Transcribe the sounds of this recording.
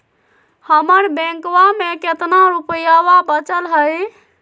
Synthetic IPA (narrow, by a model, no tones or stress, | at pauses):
həməɾbẽŋkwameket̪naɾupjaʋabət͡ʃəlɦəj